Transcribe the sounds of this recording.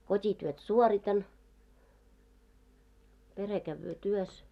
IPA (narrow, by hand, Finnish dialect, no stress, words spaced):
kotʲityøt suoritɑn pere kæʋːøː tyøs